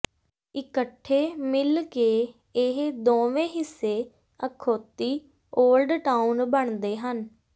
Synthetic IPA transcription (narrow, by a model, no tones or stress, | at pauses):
ɪkəʈʰːeːmɪlkeː | ɪɦd̪õːʋẽːɦɪsːeː | əkʰoːt̪iː | oːlɖʈaːunbəɳd̪eːɦən